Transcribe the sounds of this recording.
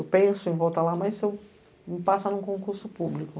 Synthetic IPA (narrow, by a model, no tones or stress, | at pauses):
wpẽsʊẽj̃vɔwt̪ɐlamɐjzew | mɪpasɐnʊ̃kõkuɾsʊpublikʊ